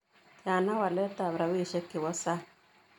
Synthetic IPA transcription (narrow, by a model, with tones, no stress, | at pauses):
ti˨a˨na˦wa˨lɛ˦ta˨βɾa˨wi˦˨ʃɛ˦kːɪ˨wɔ˦sa˦